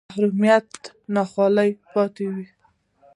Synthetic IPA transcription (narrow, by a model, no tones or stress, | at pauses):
ahɾumijat̪ | nɑxwɑləjpɑt̪ewi